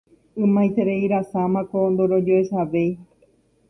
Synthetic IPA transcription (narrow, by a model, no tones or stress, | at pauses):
ɨ̃mãjt̪eɾeiɾasamãkond̪oɾod͡ʒoesaʋe̞j